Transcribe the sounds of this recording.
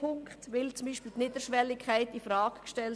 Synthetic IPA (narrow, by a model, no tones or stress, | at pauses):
ʊŋkχtʋɪlt͡sʊmbiːʃpilt̪nɪd̥əʃʋɛlːɪkʰæɪtifɾɑːkkʃtɛl